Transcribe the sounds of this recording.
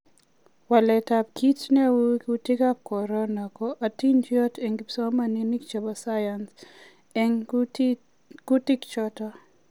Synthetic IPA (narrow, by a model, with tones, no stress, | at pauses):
wa˨lɛ˨ta˨p̚ki˦t͡ʃnɛ˦wku˦ti˦ɡa˦p̚kɔ˨ɾɔ˦na˨kɔʔa˨ti˦nd͡ʒjɔ˦te˨ŋɡipsɔ˦ma˦˨ni˦ni˦kt͡ʃa˨ba˨sa˦ja˨ns | ɛŋ | ɡ̥u˦ti˦kt͡ʃɔtɔ˦